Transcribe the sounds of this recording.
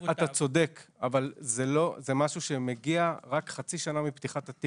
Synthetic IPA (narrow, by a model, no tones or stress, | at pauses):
at̪at͡so̞dekavalzelo̞zemaʃuʃe̞meɡiaʁakχat͡siʃanamiptiχat̪at̪i